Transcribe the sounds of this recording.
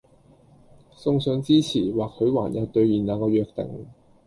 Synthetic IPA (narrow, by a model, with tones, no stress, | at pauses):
sʊ˧ŋsœː˨˧˥ŋt͡siː˥t͡sʰiː˨˩waː˨kʰːɵ˨˧ɥwaː˨˩njɐ˨˧˩t̪ɵ˧ɥjiː˨˩nːaː˨˧kɔː˧ɥœː˧k̚t̪ɪ̰˨˩ŋ